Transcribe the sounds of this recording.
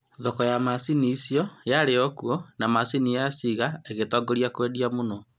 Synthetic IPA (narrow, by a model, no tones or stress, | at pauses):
ðɔkɔjamasiniːsjɔjaɾeɔkuɔnamasinijasiɣaeɣetɔɡoɾiakwediamonɔ